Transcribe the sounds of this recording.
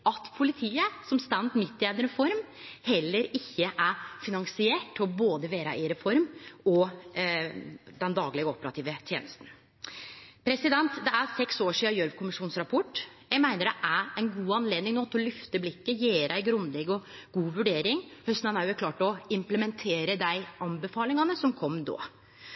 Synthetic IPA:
ʔɑt̪pʰʊlɪt̪ʰiːəsɔmst̪ænd̪mɪt̪ːɪɛd̪əɾɛfɔɾm | hɛlːəɾɪçːəʔæfɪnɑŋsɪeːʈɔboːd̪əʋeːɾɑ̰ʔɪɾɛfɔɾmɔ | d̪ɛnd̪ɑːɡlɪɡəɔpəɾɑt̪ʰiːʋət̪ʰjḛːnəst̪n̩ | pʰɾɛsɪd̪ɛnt̪d̪ɛæɾsɛksoːʂiːɑjœɾʋkʰʊmɪʂuːnsɾɑpʰɔʈːjæɡmæɪnəɖɛʔæɾæɪnɡuːɑnleːd̪ɪŋnoːt̪ʰːɔlʏft̪əblɪkːəjeːɾæɪɡɾʉnlɛɡɔɡ̥uːʋʉɖeːɾɪŋhœst̪nɑnæːɾjʊækʰlɑːʈɔɪmpləmɛnt̪ʰeːɾəd̪æɪɑnbəfɑːlɪŋɑnəsɔmkʰɔmːd̪o̰ː

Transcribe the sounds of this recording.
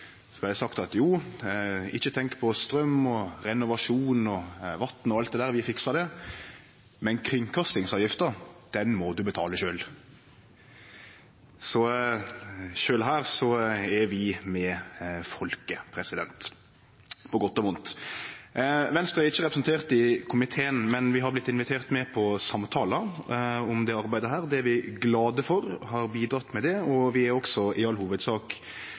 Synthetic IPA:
sɔblɑd̪ɛsɑkt̪ɑt̪juː | ɪçːət̪ʰɛŋkpʰɔst̪ɾœmːɔɾɛnʊʋɑʂuːnɔʋɑt̪nɔɑlt̪̚d̪ɛd̪æːɾʋɪfɪksɑd̪ɛ | mɛnkʰɾɪŋkʰɑst̪ɪŋsɑːʋjɪft̪əd̪̥ɛnmɔd̪ʉbət̪ʰɑːləʃøːl | sɔ | ʃøːlɦæːɾsɔɛɾʋɪmɛfɔlkəpʰɾɛsɪd̪ɛ̰nt̪ | pʰɔɡɔt̪ːɔmʊnt̪ | ʋɛnst̪ɾəæɾɪçːəʁɛpɾsnt̪ʰeːʁt̪ɪkʰʊmɪt̪ʰeːənmɛnʋɪɦɑɾblɪt̪ːɪnʋɪt̪ʰeːɾt̪mɛpʰɔsɑmt̪ʰɑːlɑɔmd̪ɛɑɾbæɪd̪əɦæːɾd̪ɛæɾʋɪɡlɑːd̪əfɔɾhɑɾbiːd̪ɾɑt̪ːmɛd̪ɛɔʋɪæɾɔksɔʔɪɑlhuːʋəd̪sɑːk

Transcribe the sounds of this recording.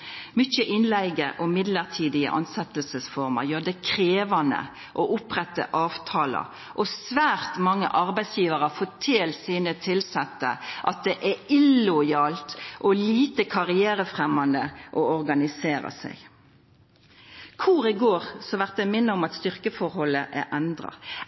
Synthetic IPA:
mʏçəʔɪnlæɪɡəʔɔmɪd̪ləʁt̪ʰiːd̪ɪə̰ʔɑ̰nsɛt̪əlsəsfɔʁmə̰jøːʁd̪ɛkʰʁeːʋɑnə̰ | ʔoʔʊpʁɛt̪ːə̰ʔɑːʋt̪ʰɑːlə̰ | ʔɔsʋæːʁt̪mɑŋːə̰ʔɑʁbæɪsjiːʋəʁəfɔt̪ʰɪlsiːnət̪ʰɪlsɛt̪ːə̰ʔɑt̪̚d̪ɛʔæɪlʊɪɑːlt̪ʔɔliːt̪əkʰɑʁɪeːɾəfʁɛmːɑnd̪əʔɔɔʁɡɑnɪseːɾɑ̰sæ̰ɪ | kʰuɾɪɡoːʁsɔʋæʁt̪̚d̪ɛmɪnːəʊmɑt̪st̪ʏʁkəfɔɾhɔlːəʔæʔɛnd̪ʁɑ̰

